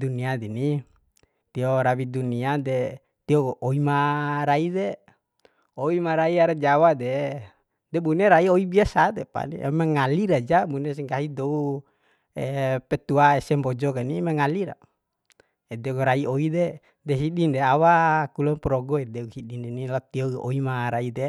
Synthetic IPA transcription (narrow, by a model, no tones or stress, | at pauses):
duniadini | t̪iɔɾawiduniadɛ | t̪iɔoimaɾaidɛ | oimaɾaiaɾad͡ʒawadɛ | dɛbuneɾaioibiasad̪ɛpa̰nḭɛ̰maŋaliɾad͡ʒabunes̬ɛŋkaɦidou | ɛpɛt̪uaɛsɛmbɔd͡ʒɔkanimaŋaliɾa̰ | ɛdɛɡɾaioidɛ | dɛɦiɗindɛawakulɔnpɾɔɡɔɛdɛuhidindɛnilat̪iɔo̰imaɾaide